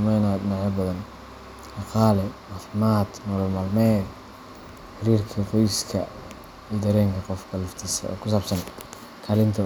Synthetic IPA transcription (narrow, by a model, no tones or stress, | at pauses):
mɛjnaɪnaʕɛbɐðɐn | ɑqɑːlɛmaːfɪmaːd̪nɔːlɔlmaːlmɛː | ħɪɾiːrkʰɐqɔjskʰɐ̰ | iːd̪ɐɾɛːŋkʰɐqɔfkʰɐlɐft̪ʰisɐ̰ɔ̰ːkʰʊsaːbsɐn | kʰaːlɪnt̪ʰɐ